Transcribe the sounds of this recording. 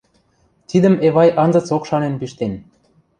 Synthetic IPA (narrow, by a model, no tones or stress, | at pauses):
t̪id̪ə̆meβɑjɑnzɤ̆t͡sokʃɑnenpiʃt̪en